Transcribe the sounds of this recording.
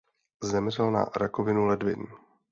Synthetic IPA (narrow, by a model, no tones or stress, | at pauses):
zɛmr̝ɛlna̰ɾakovɪnulɛdvɪ̰n